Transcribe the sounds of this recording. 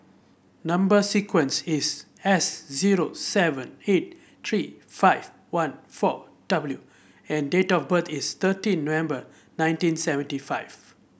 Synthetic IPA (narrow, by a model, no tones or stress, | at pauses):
nãmbəsikwə̃nsis | ɛsziɹosɛvə̃net̚ | t̪ʰɹifaɪv | wãnfɔ̰ | d̥ʌbəlju | ɛ̃ndetɔfbət̪ʰist̪ətĩnːovɛ̃mbə | nãj̃ntĩnsɛvə̃ntifaɪv